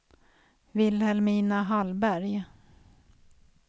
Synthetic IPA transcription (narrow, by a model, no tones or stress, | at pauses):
vɪlhɛlmiːnaɦalbæɾj